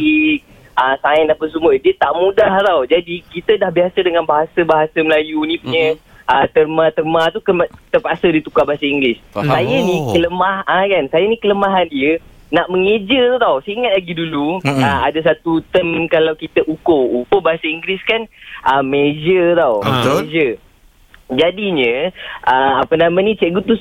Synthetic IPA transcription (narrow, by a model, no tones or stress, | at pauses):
i | ʔəsaɛnapəsumədiət̪aʔmũdaht̪awd͡ʒadikit̪ədahbiasədəŋanbaɦasəbaɦasaməlajunĩpuɲə | ʔət̪ərmat̪əmat̪ukəmt̪əpasədit̪ukahbaɦasaiŋɡlɪsajənikələmahakansajənikələmaɦandiə | naʔməŋed͡ʒət̪t̪awsaiŋat̪̚laɡiduluəadas̬at̪ut̪əmkalawkit̪əʔukoukobaɦasaiŋɡliskanʔəmed͡ʒət̪awmed͡ʒə | d͡ʒadiɲə̃ʔəapənamãnit͡ʃɛʔɡut̪us